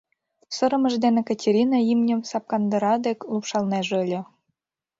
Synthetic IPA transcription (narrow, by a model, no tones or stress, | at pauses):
sɤ̆ɾɤ̆mə̆ʒd̪enĕkɑtʲeɾʲinɑimnʲə̆msɑp̚kɑnd̪ɤ̆ɾɑd̪ekʲlˠupʃɑlˠnɑʒɤlʲĕ